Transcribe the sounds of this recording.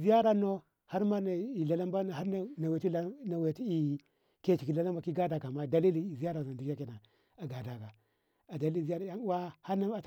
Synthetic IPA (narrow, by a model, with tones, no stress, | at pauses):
zi˦ja˦ɾa˨no˦ | ha˦ɾma˦na˨i˨la˨la˦mba˦n˨a˦n˦na˨we˨˦i˦na˨we˨ti˦i˨ | ke˦t͡ʃi˨ki˨la˨la˦mba˨ki˦ɡa˦da˨ka˨ma˦˨da˨li˦li˦˨zi˨˦a˦ɾa˨za˨di˨ka˦ki˨na˨ | a˨ɡa˨da˨ka˨ | a˨da˨li˦˨i˦ja˦ɾa˨˦a˦nu˦wa˦ha˦na˦a˨t